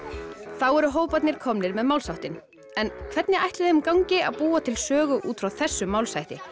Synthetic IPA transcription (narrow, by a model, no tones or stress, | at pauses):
θawɛɾʏɦoːwpajt̪nɪɾ̥kʰɔmnɪɾmɛðmawlsawht̪ɪn | ɛnkʰv̥ɛt̪nɪʔajht̪lɪðɪhʏmkawɲcɪa̰ðpuːat̪ʰɪlsœːɣʏʔuːt̪fɾawθɛsːʏmawlsajht̪ɪ